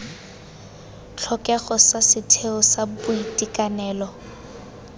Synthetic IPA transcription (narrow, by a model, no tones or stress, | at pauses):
t͡ɬʰɔkʼɛχɔsasɪtʰeʊsabʊitʼikanɛːlɔ